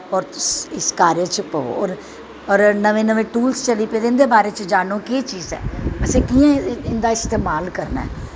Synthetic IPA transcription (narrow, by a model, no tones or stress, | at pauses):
ɔːɾsɪskaːɾeːt͡ʃpəo̰ːɔ̰ːɾ | ɔːɾnəʋẽːnəʋẽːʈuːlst͡ʃəliːpeːd̪eɪnd̪eːbaːɾeːt͡ʃd͡ʒaːnõːkeːt͡ʃiːzɛ̰ːəsẽːkiːãɪnd̪aːɪst̪eːmaːlkəɾna̰ɛː